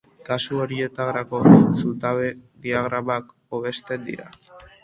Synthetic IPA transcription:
kasuo̞ɾie̞t̪aɣɾako̞sult̪aβe̞ðiaɣ̞ɾamak | oβ̞e̞st̪e̞nd̪ḭɾa̰

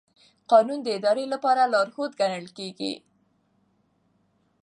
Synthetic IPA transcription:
qɑnund̪əɪd̪ɑɾelapɑɾalɑɾhot̪ɡanəlkeɡḭ

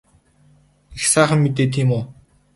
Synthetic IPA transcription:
ixsæːχə̆mːet̪eːt̪ʰiːmʊː

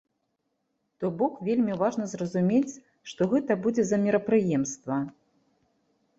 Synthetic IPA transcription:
t̪ɔbɔkvʲelʲmʲivaʐnɐzrɐzumʲet͡sʲ | ʂt̪ɔɣɛt̪ɐbud͡zʲɛzɐmʲɛɾɐpɾɨjɛmst̪vɐ

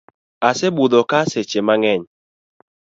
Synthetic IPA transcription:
asɛbudɔkaset͡ʃemaŋɛɲ

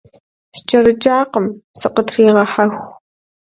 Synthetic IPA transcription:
st͡ʃʼɐɾɨd͡ʒaːqəmsɨqətʰriːʁɐħɐxʷ

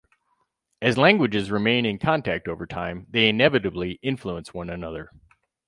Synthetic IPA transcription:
ɨzlæ̃ŋɡwɨd͡ʒɨzɹɨmẽɪ̃nɨ̃nkʰɑ̃ntʰæk̚toʊvə˞tʰãɪ̃mðeɪɨ̃nɛvɨɾɨbliʔɪ̃ɱfluə̃nswʌ̃nɨnʌðə˞

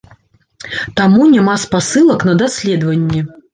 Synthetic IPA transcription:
t̪amunʲamaspasɨlˠɐkn̪ɐd̪asʲlʲɛd̪vɐnʲːɛ

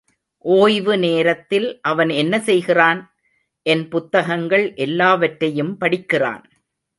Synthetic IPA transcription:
ʔoːjʋɯneːɾɐt̪ːɪlʔɐʋɐnɛnːɐsɛjɣɪraːn | ʔɛnpʊt̪ːɐɣɐŋɡɐɭʔɛlːaːʋɐʈɾɐjɯmpɐɽɪkːɪra̰ːn

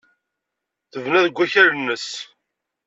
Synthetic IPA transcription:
θəvnæðəɡʷːæçæɾnːəs

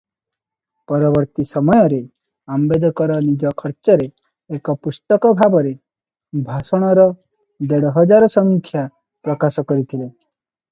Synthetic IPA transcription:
pɔɾɔbɔɾt̪isɔmɔjɔɾe | ambed̪ʱɔkɔɾɔnid͡ʒɔkʰɔɾt͡ʃɔɾeː | kɔpust̪ɔkɔbʱabɔɾe | bʱasɔɽ̃ɔɾɔ | d̪eɽɔɦɔd͡ʒaɾɔsɔmikʰja | pɾɔkasɔkɔɾit̪ʰile

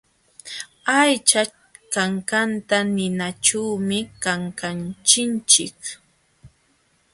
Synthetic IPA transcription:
ajt͡ʃa | kaŋkant̪anɪnat͡ʃuwmɪkaŋkant͡ʃɪnt͡ʃɪk

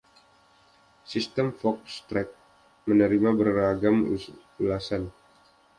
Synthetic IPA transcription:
sist̪əmfɔk̚st̪ɾɛk̚ | mənəɾimabəraɡam | ulasan

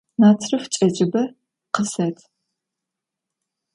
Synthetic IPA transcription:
naːt͡sʰrɨft͡ʃʼɐd͡ʒʼɪbɐ | qəsɐtʰ

